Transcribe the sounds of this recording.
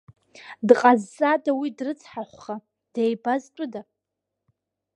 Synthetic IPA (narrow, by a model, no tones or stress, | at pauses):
dqʼazːadawidrɨt͡sʰʼħaχʷχa | d̥ejbaztʼʊda